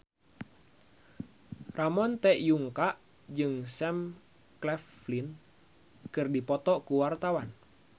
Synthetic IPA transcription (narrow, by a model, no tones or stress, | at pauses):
ramɔnt̪ɛʔjuŋkaʔ | d͡ʒɨŋsɛm | klɛf | lin | kɨrdipɔt̪ɔkuwart̪awan